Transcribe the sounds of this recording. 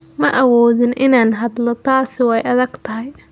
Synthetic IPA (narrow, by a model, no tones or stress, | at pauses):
mɐʔɐwɔːðɪnʔɪnaːnɦɐd̪lɔt̪ʰaːsɪwɛjʔɐðɐɡt̪ʰɐɦɪj